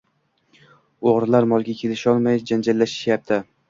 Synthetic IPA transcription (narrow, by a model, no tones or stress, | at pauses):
oʁɾlaɾmɒlˠɡʲakʲʰe̞lɪʃɒlˠmajd͡ʒand͡ʒalːaʃɪ̥ʃjap̚t̪ʰɪ